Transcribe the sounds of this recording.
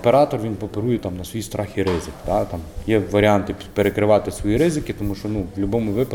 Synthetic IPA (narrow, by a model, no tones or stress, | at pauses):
peɾɑt̪ɔrʋinpɔpeɾujɛt̪ɑmnɐsʋɔjist̪ɾʔɑxʲiɾɪzɪkd̪ɑt̪ɑmjɛʋɐɾʲiɑnt̪ɪpeɾekɾɪʋɑt̪ɪsʋɔjiɾɪzɪkʲɪt̪ɔmuʃt͡ʃɔnuʋlʲʊbɔmʊʋɪpɐ